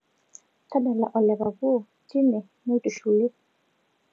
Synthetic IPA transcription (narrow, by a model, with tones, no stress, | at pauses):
ta˦ɗa˨la˨ʔɔ˨lɛ˨βa˨βu˦˨ | ti˦nɛ˨ | mu˦tu˨ʃu˨li˦